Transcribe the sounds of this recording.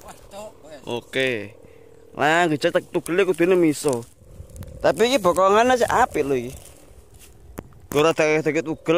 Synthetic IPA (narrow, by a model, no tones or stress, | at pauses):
ʔo̰ke | lʔajŋɡit͡ʃat̪ək̚t̪uɡ̥əlekud̪̥unemisɔ | t̪apikibɔkɔŋanas̬iʔapiʔloiki | ɡ̥oɾat̪akt̪akət̪uɡ̥əl